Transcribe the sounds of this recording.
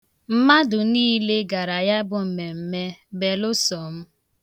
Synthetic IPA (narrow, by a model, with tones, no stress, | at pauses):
m̩˦ma˦dʊ˨niː˦le˦ɡa˨ɾa˨ja˦bʊ˨m̩˨me˨m̩˨me˦be˨lʊ˦sɔ˨m̩˦